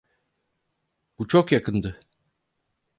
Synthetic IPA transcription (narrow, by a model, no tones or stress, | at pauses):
b̥ut͡ʃʰokjakʰɯnd̪ɯ